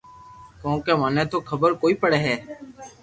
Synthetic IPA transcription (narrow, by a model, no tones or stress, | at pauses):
kõːkeːmaːneːt̪oːkʰəbəɾkoːiːpəɽeːɦɛː